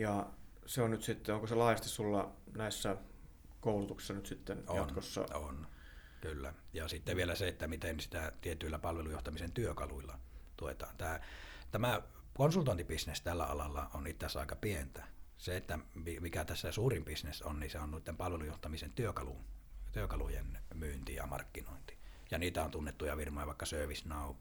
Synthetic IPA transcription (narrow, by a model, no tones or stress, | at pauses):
jɑ | seonnyt̪sit̪ːeoŋkoselɑˑːjɑst̪issulːɑnæˑisːæ | koˑulut̪uksisːɑnyt̪sit̪ːenoɑnkosːɑ̰on | kylːæ̰jɑsit̪ːeʋielæseet̪ːæmit̪ensit̪æt̪iet̪yilːæpɑlʋelujoht̪ɑmisent̪yøkɑluilːɑt̪uoet̪ɑt̪æːt̪æmæ | konsult̪oˑent̪ipisnest̪ælːæ̰ɑ̰lɑlːɑ̰onit̪ːæsɑ̰ˑekɑpient̪æseet̪ːæmimikæt̪æsːæsuːrimpisnesonniseonnuˑit̪ːempɑlʋelujoht̪ɑmisent̪yøkɑlṵt̪yøkɑlujḛnmyːnt̪ijɑ̰mɑ̰rkːino̰ˑint̪i̥ | jɑniːt̪æont̪unːet̪ːujɑʋirmɑˑjɑʋɑˑekːɑsøˑøʋisnɑˑo